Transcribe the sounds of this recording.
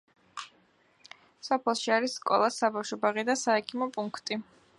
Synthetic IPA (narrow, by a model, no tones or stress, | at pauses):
sɔpʰɛlˠʃiaɾisːkʼɔ̰lˠasabafʃɔbaʁid̪asaɛkʰimɔpʼuŋkʰt̪ʼi